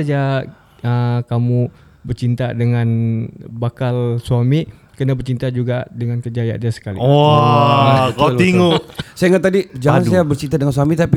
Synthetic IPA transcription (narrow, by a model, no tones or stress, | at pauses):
ad͡ʒa | əkamu | bərt͡ʃint̪adəŋanbakalsuami | kənabərt͡ʃint̪ad͡ʒuɡadəŋankəd͡ʒaja̰ʔdasə̥kalḭɔ | kalat̪iŋosajaŋat̪ːadid͡ʒaansajabərt͡ʃint̪adəŋans̬uamit̪api